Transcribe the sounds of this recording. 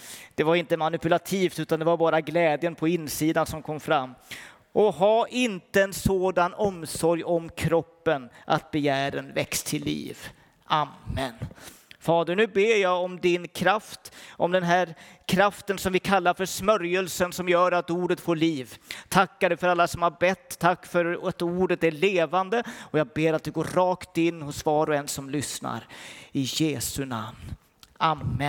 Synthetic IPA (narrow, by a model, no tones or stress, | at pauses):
d̪̥ɛvaɾɪnt̪əmanɪpɵlat̪ʰiːft̪ʉ̟ːt̪and̪ɛvaɾbɑːɾaɡlɛːd̪jənpʰɔɪnːsiːd̪ansɔmkʰɔmːfɾamː | ʔɔɦaʔɪnt̪əɛnsoːd̪anɔmsɔɾjɔmkʰɾɔpːənʔa̰t̪̚bɛjæːɾənvɛkst̪ʰɪlːḭːv | ʔamːən | fɑːd̪əɾnʉ̟ːbeːɾjaɔmd̪ɪnkʰɾaft̪ʔɔmd̪ɛnɦæːɾkʰɾaft̪ənsɔmvɪkʰalːaɾfœʂmœɾjəlsənsɔmjœːɾat̪uːɖət̪foːɭiːvt̪ʰakːaɖɛfœɾalːasɔmhaɾbɛt̪ʰːakːfœɾat̪uːɖət̪æɭeːvand̪əɔjɑːɡ̚beːɾat̪̚d̪ɛɡoːɾɑːkt̪ɪnːhʊsvɑːɾɔɛnsɔmlʏsna̰ɾɪjeːsɵna̰mn | amːə